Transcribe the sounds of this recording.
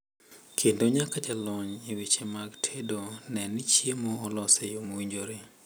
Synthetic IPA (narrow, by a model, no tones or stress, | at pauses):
kʰendoɲakad͡ʒalɔɲiwit͡ʃemaɡtʰedonɛnɪt͡ʃjemoːlɔsejomowiɲd͡ʒoɾe